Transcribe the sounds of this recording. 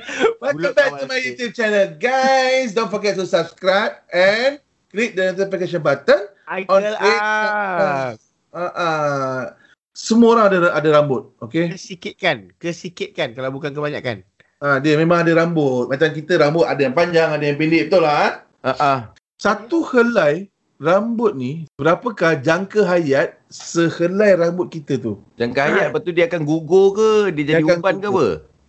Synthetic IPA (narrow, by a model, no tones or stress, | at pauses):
baəbɛtumajit̪ift͡ʃɛnəlɡajs̬dõnfɔɡɛt̪̚sɔsapskɾap̚ɛn | klit̚dəint̪əpikeʃ̬ənbat̪ən | ɔ̃ni | aʔa | səmuoɾaŋadaʔadaɾambʊt̪̚okesikɪt̪̚kankəsikɪt̪̚kankalawbukankəbaɲa̰ka̰n | ʔadiəmẽmãŋadaɾambʊt̪̚mat͡ʃamkit̪əɾambʊt̪̚adajaŋpaɲd͡ʒaŋadajaŋpelɪʔbət̪ulaa | aʔa | sat̪uhəlaj | rambʊt̪̚nibəɾapəkahd͡ʒaŋkəɦajat̪̚səhəlajɾambʊt̪̚kit̪ət̪ud͡ʒaŋkaɦajat̪̚pat̪udiəakanɡuɡokədiəd͡ʒaiuabankawə